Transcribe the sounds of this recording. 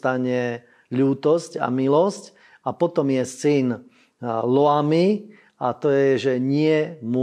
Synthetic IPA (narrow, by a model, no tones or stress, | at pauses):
t̪aɲɛ | ʎuːt̪ɔsca̰milɔsc | apɔt̪ɔmjɛsin | lɔami | at̪ɔjɛʒɛɲɪɛmʊ